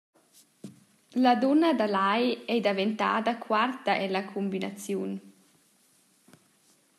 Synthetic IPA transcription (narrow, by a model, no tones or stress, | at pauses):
lad̪ɔnad̪alajɛjd̪avent̪a̰ːd̪akʰwart̪aʔɛlakʰumbina̰t͡sjun